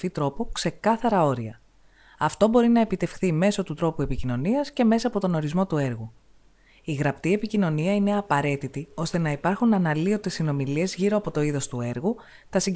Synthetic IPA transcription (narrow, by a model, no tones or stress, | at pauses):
fit̪ɾo̞pokse̞kɐθɐɾɐo̞ɾiɐ̰ | ɐft̪o̞bo̞ɾinɐe̞pit̪e̞fxθime̞so̞t̪ut̪ɾo̞pue̞picino̞niɐsce̞me̞sɐːpo̞t̪o̞no̞ɾizmo̞t̪ue̞ɾɣu | iɣɾɐpt̪ie̞picino̞niɐine̞ɐpɐɾe̞t̪it̪io̞st̪e̞nɐipɐɾxunɐnɐlio̞t̪e̞sino̞milie̞zʝiɾo̞ɐpo̞t̪o̞iðo̞st̪ue̞ɾɣu | t̪ɐsi